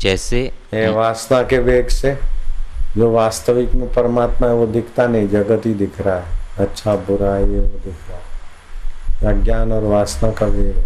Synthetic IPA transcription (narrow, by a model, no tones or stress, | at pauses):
d͡ʒɛːseɦeʋaːsnakeʋeːɡse | d͡ʒoːʋaːst̪əʋɪkmẽpəɾmaːt̪mãɦɛʋod̪ʱɪkʰt̪anəɦĩd͡ʒəɡət̪id̪ɪkʰɾaɦɛətːʃʰabʊɾaːieʋod̪ɪkʰɾae | ɾəɡjaːnɔːɾʋaːsnakaʋeːɡe